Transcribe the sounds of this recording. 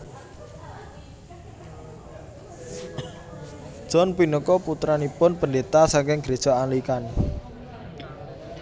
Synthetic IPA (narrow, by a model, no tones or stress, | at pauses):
dd̥ʒ̥ɔnpinəkɔput̪ɾanipʊnpəndet̪asaŋkɪŋɡɾed̥ʒ̥ɔanlikan